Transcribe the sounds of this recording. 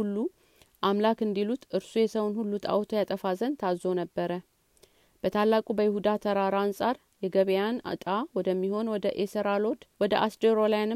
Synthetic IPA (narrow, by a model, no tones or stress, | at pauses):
ulːu | ʔamlakɨnd̪ilut̪ʔɨɾsujɛsəwnhulːut̪ʰʼa̰wt̪ʰojat̪ʼəfazənt̪ʰazo̞nəbːəɾə | b̥ət̪ʰalːakʼubəjɪhud̪at̪ʰəɾaɾaansʼaɾ | jɛɡəβejana̰t̪ʼawɔd̪əmːiho̞nwɔd̪əʔesəɾalod̪wɔd̪əʔasd̪eɾolajanɨ